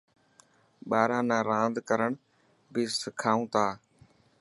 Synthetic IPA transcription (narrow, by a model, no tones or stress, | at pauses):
ɓaːɾãːnãːɾãːnd̪kəɾəɳ | biːsɪkʰaːũːt̪aː